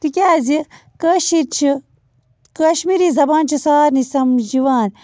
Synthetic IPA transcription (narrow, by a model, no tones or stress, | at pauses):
t̪ikʲaːzi | kəʃiɾt͡ʃʰi | kɐʃmiɾizɐbaːnt͡ʃʰisaːɾnisɐmd͡ʒiʋaːn